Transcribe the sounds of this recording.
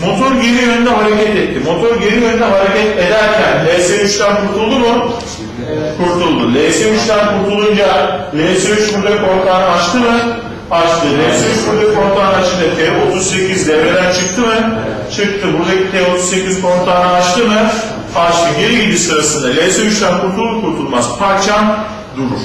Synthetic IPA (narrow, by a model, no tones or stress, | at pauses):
mo̞t̪ʰo̞ɾɟeɾijønynd̪ɛɦaɾecʰɛt̪ɛt̪ʰːimo̞t̪ʰo̞ɾɟe̞ɾijønynd̪ɛɦaɾecɛt̪e̞d̪æɾcʰænlʲeːseyt͡ʃt̪ʰænkuɾt̪ʰulˠd̪umu | kʰuɾt̪ʰulˠd̪ulʲeːseyt͡ʃt̪ʰænkuɾt̪ʰulˠund͡ʒalʲeseyt͡ʃbuɾd̪ɛkʰo̞ɾt̪ʰaːnɯat͡ʃt̪ʰɯmɯ | at͡ʃt̪ɯlʲeseyt͡ʃbuɾd̪ɛkʰo̞nt̪ʰˠaːnat͡ʃʰɯnd̪at̪ʰɛːo̞t̪ʰuzse̞cʰʲizd̪evɾeɾænt͡ʃʰɯk̚t̪ʰɯmɯ | t͡ʃʰɯk̚t̪ʰɯbud̪et̪ʰɛːo̞t̪ʰuzse̞cʰizkʰont̪ʰaːnɯat͡ʃt̪ʰɯmɯ | faɾʃlɯɟeɾijid̪ʲisɯɾasɯnd̪alʲeseyt͡ʃt̪ʰænkʰuɾt̪ʰulˠːukʰuɾt̪ʰulˠmaspʰaɾt͡ʃʰam | d̪uɾum